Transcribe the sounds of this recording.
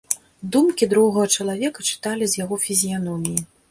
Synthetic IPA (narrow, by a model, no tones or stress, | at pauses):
d̪umkʲid̪ɾɔwɣɐɣɐt͡ʂɐlˠavʲɛkɐt͡ʂɨ̥t̪alʲizʲjaɣɔfʲizʲijanɔmʲiji